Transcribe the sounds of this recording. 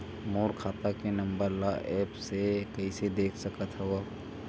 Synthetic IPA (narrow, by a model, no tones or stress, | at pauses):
moːɾkʰaːt̪akenɐ̃mbəɾlaʔɛːpsekɐised̪eːkʰsɐkət̪ɦɛʋa